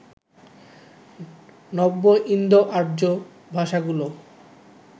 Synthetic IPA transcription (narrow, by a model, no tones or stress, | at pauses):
nɔbːoʔind̪ʱoʔaɾd͡ʑo | bʱaʃaɡulo